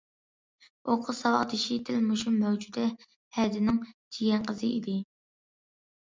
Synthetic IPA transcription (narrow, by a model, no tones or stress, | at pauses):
oqʰʊsɑwɑχd̪ɪʃid̪ʰɪlmuʃumɛwd͡ʒud̪ɛ | hɛd̪ɪnɪŋt͡ʃʰiɡʲɛnqʰəzɨid̪ɪ